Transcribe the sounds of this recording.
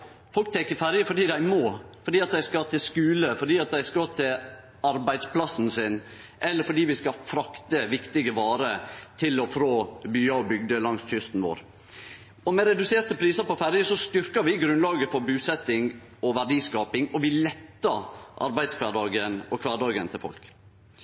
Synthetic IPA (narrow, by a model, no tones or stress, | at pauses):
fɔlk̚t̪ʰɛŋkəɾfæɾjəfɔɖiːd̪æɪmoːfɔɾɖiːɑt̪̚d̪æɪskɑt̪ʰɪlskʉːləfɔɖiːɑt̪̚d̪æɪskɑt̪ʰɪl | ɑɾbæɪd̪spʰlɑsn̩sɪn | ʔɛlːəɾfɔɖiːʋɪskɑfɾɑkt̪əʋɪkt̪ɪɡəʋɑːɾət̪ʰɪlɔfɾoːbyːɑɔbʏɡ̚d̪əlɑŋsçʏst̪n̩ʋo̰ːɾ | ɔmɛɾɛd̪ʉseːɾt̪əpʰɾiːsəɾpɔfæɾjəsɔst̪ʏɾkɑɾʋɪɡɾʉnlɑːɡəfɔɾbʉːsɛt̪ːɪŋ | ɔʋæɖiːskɑːpɪŋɔʋɪlɛt̪ːɑʔɑ̰ɾbæɪd̪skʰʋɑɖɑːɡənɔkʰʋɑːɖɑːɡənt̪ʰɪlfɔ̰lk